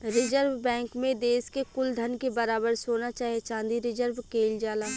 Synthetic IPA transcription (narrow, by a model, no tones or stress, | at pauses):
ɾɪd͡ʒəɾʋbɛ̃ːŋkmẽd̪eːskekʊld̪ʱɐnkebɐɾaːbəɾsoːnat͡ʃaːɦiet͡ʃãːnd̪iɾɪd͡ʒəɾʋkeːld͡ʒaːlaː